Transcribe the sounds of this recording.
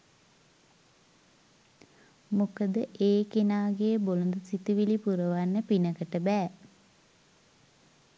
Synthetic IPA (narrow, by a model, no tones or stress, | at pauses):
mokəd̪əʔeːkenaːɡeəbolund̪əsit̪iʋilipuɾəʋanːəpinəkəʈəbɛː